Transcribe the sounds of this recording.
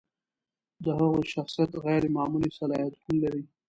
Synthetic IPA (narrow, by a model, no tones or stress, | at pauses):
d̪əɦaɣojʃaxsijat̪ɣajɾemaːmulisalɑjat̪̚hunlaɾi